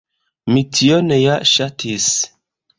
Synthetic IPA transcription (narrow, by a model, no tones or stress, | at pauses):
mitʰiɔnɛjaʔʃatʰis